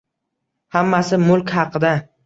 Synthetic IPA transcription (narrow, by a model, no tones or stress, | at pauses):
hamːasɪmʊlˠkʲhɑqʰɨd̪a